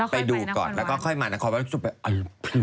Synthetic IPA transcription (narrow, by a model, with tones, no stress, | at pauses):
pa˧jduː˧kɔ̰ː˨˩nlɛː˦˥wkɔː˥˩kʰɔ˥˩jmaː˧na˧ŋkʰːnwaː˥˩˦su˨˩pa˧ʔa˧˩pʰɯ˧˩